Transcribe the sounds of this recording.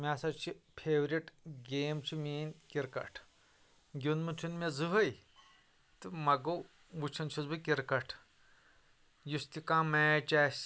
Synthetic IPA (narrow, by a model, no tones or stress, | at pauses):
mʲaːsɐt͡ʃʰipʰeːʋɾʲiʈɡeːmt͡ʃʰimiːnkiɾkɐ̰ʈʰ | ɡʲunmɨt̪ʰunmezɨɦɐj | t̪ɨmɐɡo | ʋut͡ʃʰɐnt͡ʃʰizbɨkiɾkɐʈʰ | just̪ikãːmeːt͡ʃaːsʲ